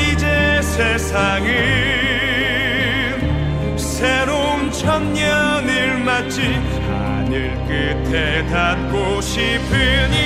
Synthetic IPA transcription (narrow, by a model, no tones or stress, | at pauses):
id͡ʑesʰesʰaŋi | sʰeɾount͡ɕʰʌnɲʌniɭmat̚t͡ɕ͈ʰi | a̰ | nɯɭk͈ɯ | tʰe | dat̚k͈o | ɕʰipʰɯɲi